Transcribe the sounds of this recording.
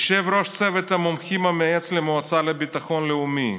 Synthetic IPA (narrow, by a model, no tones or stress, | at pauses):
ʃevɾo̞ʃt͡sevet̪hamomχimameet͡slemoat͡salebit̪aχo̞nleumi